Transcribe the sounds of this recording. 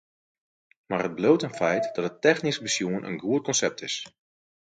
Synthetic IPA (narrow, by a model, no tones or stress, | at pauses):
marhəd̚bloːtanfɛjtd̥ɔtətːɛxnisbəsjuənʔə̰nɡuət̚kɔnsɛp̚tʰɪs